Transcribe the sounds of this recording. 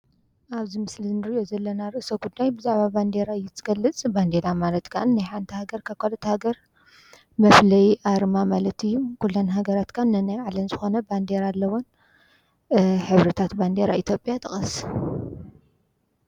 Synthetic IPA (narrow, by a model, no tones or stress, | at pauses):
ʔaβzimɨslinɨɾiʔʔo̞zɐlːɐnaɾɨʔsoɡud̪ːajbɨzaʕβaband̪eɾaɨjːɛt̪ʰːɨ̥ɡ̥ɐlːɨt͡sʼband̪elamalɐt̪kʰaʔɨnːajħant̪ʰihaɡɐɾkʰaβkʰalɐt̪ʰɐhaɡɐɾ | mɐflɐjʔaɾmamalɐt̪ʰijːukulːonɦaɡɐɾat̪kʰanːɨnajaʕlɐmzɨxo̞nɐband̪eɾalːɐwon | ħɨβɾɐt̪ʰat̪band̪eɾait̪ʰjo̞pʼjat̪ʰɨxʼɐs